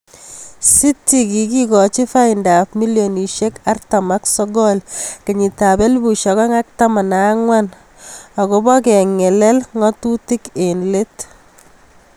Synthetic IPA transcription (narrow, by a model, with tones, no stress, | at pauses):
si˦tːi˨ki˨ki˦kɔ˨t͡ʃi˦fa˦inda˨pmi˦ljoni˨ʃeka˦rtamaksɔ˦ɡɔlke˨ɲi˨ta˨bɛ˦lbu˨ʃɔ˨kɔ˦ŋa˦k̚ta˦ma˨naŋwan | a˨ko˦bɔ˦kɛ˨ŋɛ˨lɛ˦lŋɔ˦tu˦ti˦kenle˦t